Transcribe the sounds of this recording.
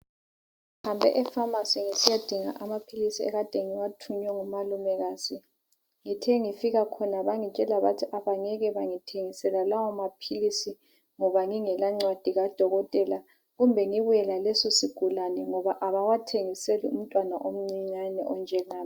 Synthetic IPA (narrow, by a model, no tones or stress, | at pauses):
hambʱɛ̰ʔɛfamasiŋisijad̥ʱiŋa̰ʔamapʰilisiɛ̰ɣad̥ʱeŋiwatʰuɲwɛŋumalumɛɣazi | ŋitʰɛŋifiɣakʰɔnaβaŋit͡ʃʼɛlaβatʰiʔaβaŋɛɣɛβaŋitʰeŋisɛlalawɔmapʰilisi | ŋɔβaŋiŋɛlaŋ͡ǀwad̥ʱiɣad̥ʱɔɣɔtʼɛla | ɣumbʱɛŋiβujɛlalɛsɔsiɡ̥ʱulanɛŋɔβaʔaβawatʰeŋiselium̩tʼwanaʔom̩ŋ͡ǀiɲanɛ̰ʔɔnd͡ʒʱɛŋaːm